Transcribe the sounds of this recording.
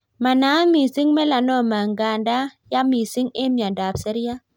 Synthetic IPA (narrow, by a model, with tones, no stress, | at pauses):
ma˨na˨˦mi˨si˦ŋme˦la˨nɔ˦˨ma˨ŋɡa˨nda˦ja˦mi˨si˦ŋe˦mja˨da˨psə˦ɾja˦